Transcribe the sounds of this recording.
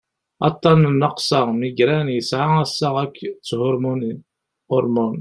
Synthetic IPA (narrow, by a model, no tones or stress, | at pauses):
ɑ̰t̪ˤːɑnnəqsɑʁmiɡɾænjəsʕaæsːəʁækːt͡sːhʊɾmun | ʊɾmun